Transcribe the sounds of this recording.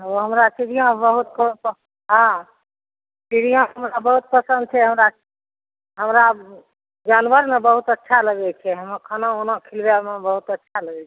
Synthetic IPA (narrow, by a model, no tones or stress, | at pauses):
oɦəmɾasiɽijãbəɦut̪̚kə | ɦã | siɽijãɦəmɾabəɦut̪̚pəsə̃nd̪̚t͡ʃʰɛɦəmɾa | ɦəmɾa | d͡ʒanʋəɾmebəɦut̪ətːʃʰaləɡɛt͡ʃʰɛɦəməɾkʰənaonakʰilbalmebəɦut̪ətːʃʰaləɡɛt͡ʃʰɛ